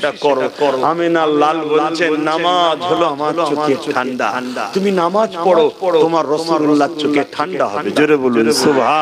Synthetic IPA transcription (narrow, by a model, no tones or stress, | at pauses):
amenalalboenamad͡ʑɦoloamalʃokeaɳɖat̪uminamad͡ʑpɔɽot̪omaɾːɔsuulːat͡ʃʰokeʈʰaɳɖaɦɔed͡ʑoɾebolunsobʱa